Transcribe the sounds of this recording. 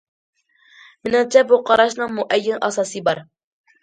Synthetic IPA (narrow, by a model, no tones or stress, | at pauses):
mɪnɪŋt͡ʃʰɛbuqʰɑɾɑʃnɨŋmʊʔɛjːɪnʔɑsɑːsɨbɑɾ